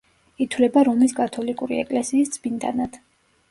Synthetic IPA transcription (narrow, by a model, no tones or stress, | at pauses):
it̪ʰwlɛbaɾɔmliskʼat̪ʰɔlikʼuɾḭɛ̰kʼlɛsiːsd̪z̥bind̪a̰nad̪̥